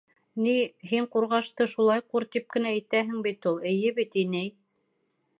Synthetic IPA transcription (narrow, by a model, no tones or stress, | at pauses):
niɦiɴquɾʁɑʃt̪ɤʃulˠɑjquɾt̪ip̚kɘ̆næːjt̪æɦɘ̆ŋbit̪ulˠɘ̆jɘβit̪inɘj